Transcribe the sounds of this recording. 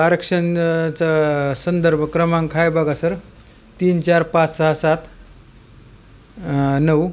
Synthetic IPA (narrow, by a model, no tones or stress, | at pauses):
aɾəkʂənt͡sasənd̪əɾbʱəkɾəmaŋkʰajbaɡasəɾ | t̪iːnt͡ɕaɾpat͡ssaɦasat̪ | nəw